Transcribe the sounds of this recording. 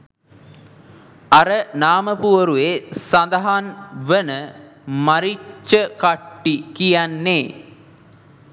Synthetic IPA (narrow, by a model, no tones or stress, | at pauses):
ɐɾənaːməpuʋəɾuesand̪ɐɦanʋənəmaɾit͡ʃːəkaʈːikijænːeː